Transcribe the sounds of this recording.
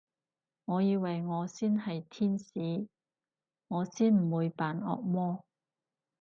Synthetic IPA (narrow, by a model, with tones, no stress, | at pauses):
ŋɔː˨˧jiː˧wɐ˨jŋɔː˨˧siː˥nhɐ˨jt̪ʰiː˥nsiː˨˧ | ŋɔː˨˧siː˥nm̩˨˩wuː˨˧jpaː˨˧nɔ̰ː˧k̚mɔː˥